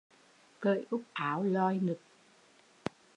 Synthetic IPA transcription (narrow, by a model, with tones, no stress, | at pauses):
kə̰ː˧˨jʔʊ˦˥k͡p̚ʔaː˨˦wlɔ˧jnɨ˨˩k̚